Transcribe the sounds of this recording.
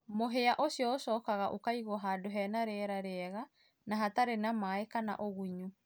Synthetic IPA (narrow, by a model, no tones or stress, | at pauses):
moɦeaʔosjɔosɔːkaɣaʔokaiɣɔɦaːdoɦɛːnaɾɛɾaɾeɛɣa | naɦataɾenamaekana̰ʔoɣuɲu